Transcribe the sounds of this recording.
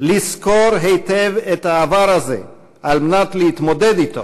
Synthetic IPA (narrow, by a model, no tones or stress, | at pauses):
liskoɾɦejt̪evet̪haːvaɾazḛ | ʔalmenat̪leit̪mod̪ed̪it̪o̰